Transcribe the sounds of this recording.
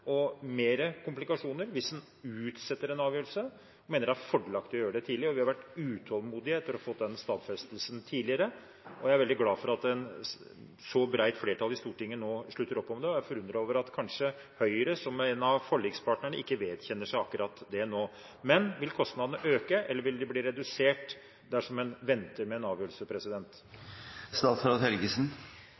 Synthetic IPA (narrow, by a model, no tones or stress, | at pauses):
ɔmeːɾəkʰʊmplɪkɑʂuːnəɾʋɪsɛn | ʉːt̪sɛt̪ːəɾɛnɑːʋjøːl̩sə | meːnəɾɖæhæɾfɔɖəlɑkt̪ɔjøːɾəɖɛt̪ʰiːlɪəɔʋɪhɑɾʋæʈːʉːt̪ʰɔlˠmuːd̪ɪəɛt̪ːəɾɔfɔt̪ːd̪ɛnst̪ɑːd̪fɛst̪lsənt̪ʰiːd̪lɪəɾə | ɔjææɾʋɛld̪ɪɡlɑːfɔɾɑt̪ɛn | sɔbɾæɪt̪fleːʈʰɑlːɪst̪uːʈɪŋːənoːʂɭʉt̪ːəɾɔpːɔmd̪ɛɔjæfɔɾʉnd̪ɾəoːʋəɾɑt̪kʰɑnʂə | hœʏəɾəsɔmɛnɑʋfɔɭːiɡspɑːʈɳəɳəʔɪkːəʋeːd̪çɛnːəʂæɪɑkːɾʔɑːt̪d̪ɛnoː | mɛnʋɪlkʰɔst̪nɑd̪ənəʔøːkəʔɛlːəɾʋɪld̪ɛbliːɾɛd̪ʉseːʈ | d̪æʂɔmɛnʋɛnt̪əɾmɛːnɑːʋjøːlsəpʰɾɛsɪd̪ɛnt̪ | st̪ɑːsɾɑt̪hɛlɡəsn